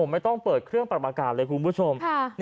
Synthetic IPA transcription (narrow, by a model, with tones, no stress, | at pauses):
o˩˦ma˥˩jt̪ɔ˥˩ŋpɤː˨˩t̪̚kʰɾɯ˥˩əŋpa˨˩ʔaː˧kaː˨˩lɤː˧jkʰu˧nbʰu˥˩t͡ɕʰo˧mʰa˥˩n